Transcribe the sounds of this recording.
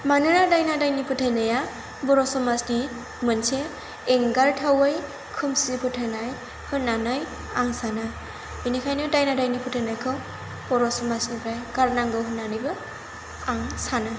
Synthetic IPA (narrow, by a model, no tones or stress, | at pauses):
manɯɾadajnadajnipʰutʰajnaja | bɔɾɔsɔmasni | mɯnseː | ŋɡaɾtʰawɯj | kʰɯmsipʰɯtʰajnaj | hɯnːanɯj | aŋsanɯ | ɯjnikʰajnɯdajnadajnipʰutʰajnajkʰɯw | b̥ɔɾɔsɔmasnipʰɾajɡaɾnaŋɡɯwɦɯnːanɯjbɯ | aŋsanɯ